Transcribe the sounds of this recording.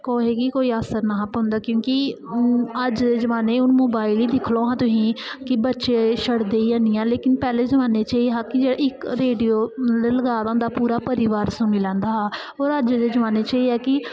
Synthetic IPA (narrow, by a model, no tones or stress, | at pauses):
koːɦeːɡiːkoːiːaːsəɾnaːɦpɦʊ̃nd̪aːkjõːki | əd͡ʒd̪eːd͡ʒəʋaːneːʊnmoːbaːɪliːd̪ɪkʰlõːɦãːt̪ʊsĩːkɪbətːʃeːʃʰəɽd̪eːiːd͡ʒãːniːãːleːkɪnpɛːleːzəʋaːneːt͡ʃaːiːɦãːkɪd͡ʒeːɽa̰ːɪkɾeːɖijoːleːləɡaːd̪ãːd̪aːpuːɾaːpəɾɪːʋaːɾsũniːlɛ̃ːnd̪aː | oːɾəd͡ʒd̪eːd͡ʒəʋaːneːt͡ʃaːiːɛːkɪ